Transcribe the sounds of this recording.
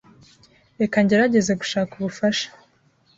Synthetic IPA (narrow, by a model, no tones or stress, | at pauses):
ekaɲɟeɾaɟe̞zeɡu̥ʃaːkuβufaʃḁ